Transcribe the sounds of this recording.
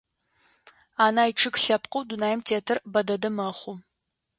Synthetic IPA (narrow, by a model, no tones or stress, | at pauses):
aːnaːjʈ͡ʂʰɨkɬɐpqʼəwdunaːjɪmtʰeːtʰɐrbɐdɐdɐmɐχʷʊ